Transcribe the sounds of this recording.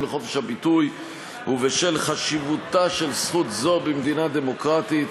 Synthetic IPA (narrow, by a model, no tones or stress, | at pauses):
leχo̞feʃhabit̪uj | huveʃe̞lχaʃivut̪aʃe̞lsχut̪zo̞bemd̪inad̪e̞mo̞kʁat̪it̪